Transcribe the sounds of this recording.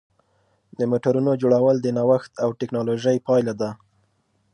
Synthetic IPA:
d̪əmoʈaɾunod͡ʒoɽawəld̪ənawaxt̪awʈɪknɑloʒəjpɑjlad̪a

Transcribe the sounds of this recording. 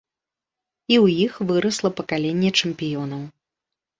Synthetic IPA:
iwjixvɨɾɐslˠɐpɐkalʲenʲːɛt͡ʂɛmpʲijɔnɐw

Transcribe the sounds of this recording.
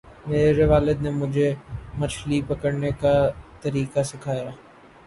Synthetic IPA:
meːɾeɾeʋaːlɪd̪nemʊd͡ʒʱemɐt͡ʃʰlipɐkəɾnekat̪ɐɾiːkasɪkʰaːjaː

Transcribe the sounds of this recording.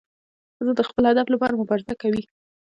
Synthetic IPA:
zəd̪əxpəlhad̪aflapɑɾamʊbɑɾzakːawi

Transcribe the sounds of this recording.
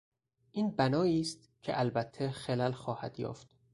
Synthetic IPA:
ʔiːnbænɒːiːst̪̚ | cʰḛʔælbæt̪ʰːexelælxɒːhæ̰d̪̥jɒ̰ːft̪

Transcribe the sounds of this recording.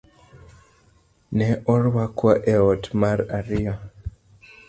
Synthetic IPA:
nɛʔɔɾwakwaʔɛɔtmaɾaɾia

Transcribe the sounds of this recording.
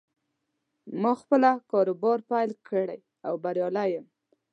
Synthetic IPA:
mɑxpəlakɑɾobɑɾpajlkʰəɽaj | awbaɾjɑlajəm

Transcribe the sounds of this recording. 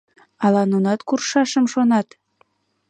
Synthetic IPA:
ɑlɑnunɑt̪kurʃɑʃəmʃonɑt̪

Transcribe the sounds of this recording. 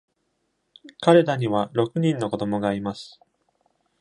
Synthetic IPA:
kaɾe̞d̪aɲ̟iβaɾo̞kɯ̟ɲ̟ĩnːo̞ko̞d̪o̞mo̞ɡaːɾʲimasɨ̥

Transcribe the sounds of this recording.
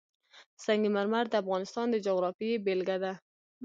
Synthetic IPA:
saŋɡimaɾmaɾd̪əafɣɑnɪst̪ɑnd̪əd͡ʒoɣɾɑfiebelɡad̪a

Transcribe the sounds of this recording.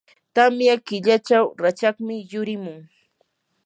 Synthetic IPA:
t̪amjakɪʎat͡ʃawɾat͡ʃaχmɪjʊɾɪmʊŋ

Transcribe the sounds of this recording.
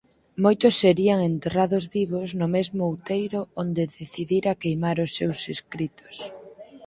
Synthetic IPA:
mojt̪ʊsːeɾiaŋent̪eraðozβiβoznʊmezmʊwt̪ejɾʊond̪eðeθiðiɾakejmaɾʊsːewseskɾit̪ʊ̥s

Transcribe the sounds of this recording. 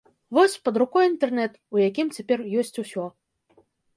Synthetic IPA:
vɔsʲpɐd̪ɾukɔjint̪ɛrnɛt̪ujakʲimt͡sʲapʲɛrjɔsʲt͡sʲusʲɔ

